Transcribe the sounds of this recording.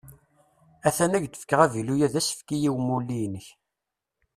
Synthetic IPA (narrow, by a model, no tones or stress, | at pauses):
æθænæʝt̪ə̥fə̥kːəʁævilujæðæsə̥fkijiwmulːinəç